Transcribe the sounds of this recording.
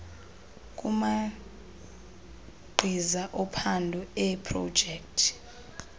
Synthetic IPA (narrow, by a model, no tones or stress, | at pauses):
kʼuma | ɡ͡ǃʱizaʔɔpʰandʱuɛpʰrɔ̰̥d͡ʒʱɛk̚tʰi̥